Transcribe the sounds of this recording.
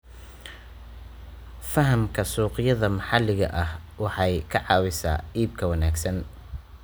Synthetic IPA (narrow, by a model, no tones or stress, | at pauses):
fɐɦɐmkʰɐsuːqɪjɐðɐmɑħɑlːɪɣɐ̰ʔɐh | wɑħɑjkʰɐʕɑːwɪsa̰ːiːb̚kʰɐwɐnaːɡsɐn